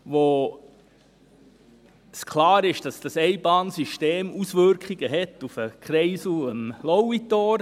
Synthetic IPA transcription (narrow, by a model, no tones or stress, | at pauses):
ʋo | skʰlɑːɾɪʃd̥ɑsd̥ɑsɛɪbɑːnsyʃteːmusʋʏɾkχiɡəɦɛt̪ufəkχɾɛɪsuəmlɔwit̪ɔːɾ